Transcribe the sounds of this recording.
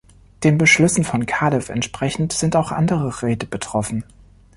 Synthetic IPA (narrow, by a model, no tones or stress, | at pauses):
d̥eːnbəʃlɔsn̩fɔnkʰaːdɛfɛ̰ntʃpʁ̥ɛçn̩tz̥ɪntaʊxʔa̰ndəʁəʁɛːtəb̥ətʁ̥ɔfn̩